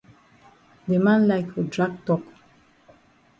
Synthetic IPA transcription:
demãnlajkodɹaɡ̚tɔk

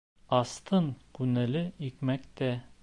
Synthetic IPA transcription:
ɑst̪ɤɴkʉnælɘikmækt̪æ

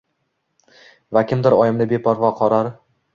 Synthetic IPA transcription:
vakʲʰɪmd̪ɪɾɒjɪmnɪbe̞pʰɒɾvɒqʰɒɾaɾ

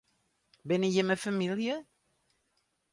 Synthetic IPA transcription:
bɪnəjəməfamiljə

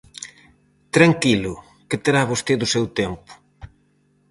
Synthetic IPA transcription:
t̪ɾaŋkilʊ | ket̪eɾaβost̪eðʊsewt̪empʊ̥

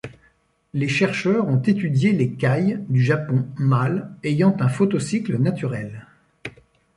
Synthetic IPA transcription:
leʃɛʁʃœʁɔ̃t̪et̪yd̪jelekajd̪yʒapɔ̃malejɑ̃t̪ɛ̃fɔt̪ɔsiklənat̪yʁɛl

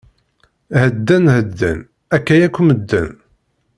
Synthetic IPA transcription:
həd̪ːænhəd̪ːæ̰n | ækːæjækʷːuməd̪ːə̰n

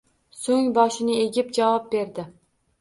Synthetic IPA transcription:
soŋbɒʃɪnɪe̞ɡʲɪp̚d͡ʒavɒp̚be̞ɾd̪ɪ

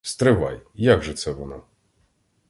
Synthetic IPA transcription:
st̪ɾɘva̰jjaɡʐɨt̪sɛvɔna

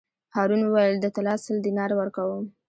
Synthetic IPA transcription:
hɑɾunuwajəld̪ət̪alɑsəld̪inɑɾwəɾkawəm

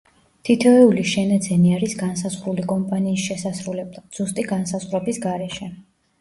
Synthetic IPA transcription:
t̪ʰit̪ʰɛɛuliʃɛnad̪zɛniaɾisɡansazʁɾulikʼɔmpʼaniːsʃɛsasɾulɛblˠad̪z̥ust̪ʼiɡansazʁvɾɛbisɡaɾɛʃɛ

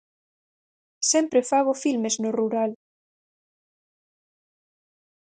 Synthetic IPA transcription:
sempɾefaɣofilmeznoruɾal

